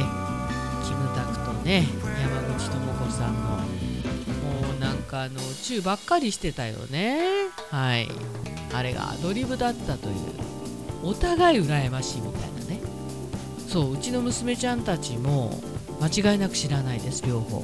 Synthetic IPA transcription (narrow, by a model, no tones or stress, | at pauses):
e | kʲimɯ̟t̪akɯ̟̥t̪o̞ne̞jamaɡɯ̟t͡ɕi̥t̪o̞moko̞sãnːo̞̰ | moːnãŋkaːno̞t͡ɕɨːbakːaɾʲiɕi̥t̪e̞t̪ajo̞̰ne̞ | haḭ | aɾe̞̰ɡa̰d̪o̞ɾʲibɯ̟d̪at̪ːat̪o̞̰jɯ̟̰ː | ot̪aɡaiɯ̟ɾae̞maɕimʲit̪a̰ina̰ne̞ | so̞ːɯ̟t͡ɕino̞mɯ̟sɨme̞t͡ɕãnt̪at͡ɕimo̞̰ | mat͡ɕiɡaenakɯ̟ɕiɾanaid̪e̞sɨ̥ɾʲo̞ːho̞̰ː